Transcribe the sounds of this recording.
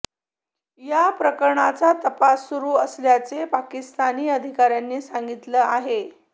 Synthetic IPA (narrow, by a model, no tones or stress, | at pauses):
japɾəkəɾɳat͡sat̪əpasːuɾuːəsljat͡sepakist̪aniːəd̪ʱikaɾjanːiːsaŋɡit̪ləːaɦe